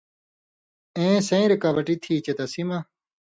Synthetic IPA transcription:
ẽːsɐ̃ĩɾikaːbɐʈit̪ʰiːt͡ɕɐt̪ɐsima

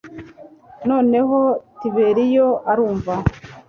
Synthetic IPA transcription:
no̞ːne̞ɦotiβe̞ɾijoʔaɾuːɱva

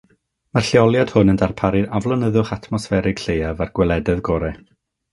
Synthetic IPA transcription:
marɬjɔlˠjad̥hʊnəndarpʰaɾɪdavlˠɔnəðʊχatʰmɔsfɛɾɪɡ̥ɬejavarɡ̥wɛlˠɛdɛðɡɔɾɛ

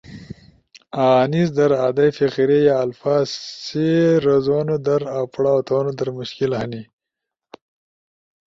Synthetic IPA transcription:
aːnisd̪ɐɾaːd̪ajfiqiɾejaːlfaːzseɾozonod̪ɐɾapɽaot̪oːnod̪ɐɾmʊʃkilhani

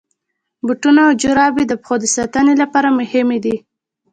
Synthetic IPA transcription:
buʈunaːwd͡ʒʊɾɑbed̪əpxod̪əsɑt̪ənelapɑɾamʊhɪmed̪i

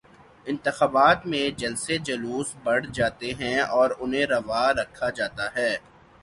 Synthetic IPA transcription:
ɪ̃nt̪ɪxaːbaːt̪mẽd͡ʒɐlsed͡ʒɐluːsbɐɽ̤d͡ʒaːt̪eɦɛ̃ɔːɾʊnɦẽɾɐʋaɾɐkʰːad͡ʒaːt̪aɦɛː

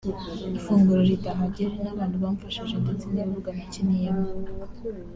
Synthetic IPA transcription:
ifuːŋɡuɾoɾitaɦaɟiɾenaβaːnduβaɱfaʃaʃatat͡sindiβuɡanicinijama

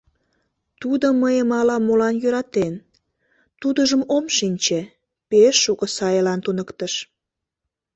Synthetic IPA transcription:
t̪ud̪oməjəmɑlɑmːolɑnjøɾɑt̪en | t̪ud̪əʒəmomʃinʲt͡ɕe | peʃːukəsɑjelɑnt̪unəkt̪əʃ

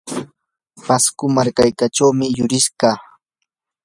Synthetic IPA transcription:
paskʊmaɾkajkaʈ͡ʂawmɪjʊɾɪʃɢɑː

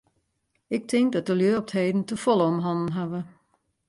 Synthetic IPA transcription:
ɪk̚tʰɪŋk̚dɔt̚dəljøːɔp̚theːdn̩təfɔlˠəɔmɦɔnn̩ɦaʋə

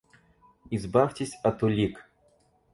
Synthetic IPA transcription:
izbaftʲɪsʲɐt̪ʊlʲik

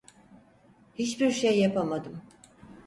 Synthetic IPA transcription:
hit͡ʃbiɾʃejːapʰamad̪ɯm

